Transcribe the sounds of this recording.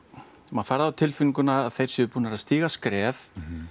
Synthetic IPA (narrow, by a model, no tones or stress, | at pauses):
maðfaɾðawt̪ʰɪlfʏnkʏnaːðθejɾ̥sjɛvʏɾpuːnaɛɾaðst̪iːɣaskɾɛːv